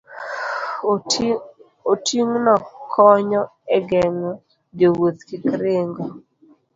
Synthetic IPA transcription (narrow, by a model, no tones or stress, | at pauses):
otiŋnɔkʰɔɲɔɛɡɛŋɔ | ɡewot̪kɪkɾeŋɡɔ